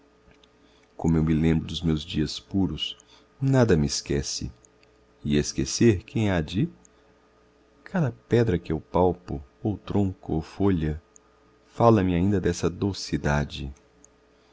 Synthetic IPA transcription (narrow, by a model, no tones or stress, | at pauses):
kõmʊewmɪlẽmbɾʊd̪ʊzmewzd͡ʒiɐspuɾʊs | nad̪ɐmɪskɛsɪ̰ | iɐskeseɾkʰẽj̃ad͡ʒɪ | kʰad̪ɐpɛd̪ɾɐkɪewpawpʊowt̪ɾõŋkʊowfoʎɐ | falɐmɪaĩnd̪ɐd̪ɛsɐd̪owsid̪ad͡ʒɪ